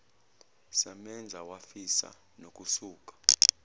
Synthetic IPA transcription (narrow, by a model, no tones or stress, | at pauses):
sɛmɛnd͡zʱawafisa̰ | nok̬ʼusuːk̬ʼḁ